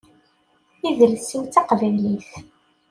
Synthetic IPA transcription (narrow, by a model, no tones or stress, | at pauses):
iðəlsiwt͡sɑqvæjliθ